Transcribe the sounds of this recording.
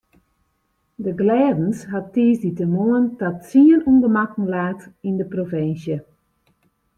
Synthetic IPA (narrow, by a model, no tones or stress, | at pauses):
dəɡlɛːdənsɦatːiːsditəmoəntatsiənundəmakn̩laːtindəprofɪnsjə